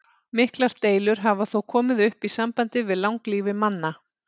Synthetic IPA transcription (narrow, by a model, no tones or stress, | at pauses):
mɪhklaɾ̥t̪eːjlʏɾ̥ɦavaθowkʰɔːmɪðʏhpisampant̪ɪvɪðlawŋkliːvɪmanːa